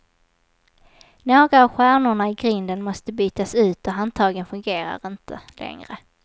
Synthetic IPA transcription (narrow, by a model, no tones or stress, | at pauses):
noːɡɾaːvɧæːɳʊɳaɪɡɾʏnd̪ənmɔst̪əbyːt̪asʉ̟ːt̪ɔɦant̪ʰɑːɡənfɵŋɡeːɾa̰ɾɪnt̪ʰə̰lʔɛ̰ŋɾə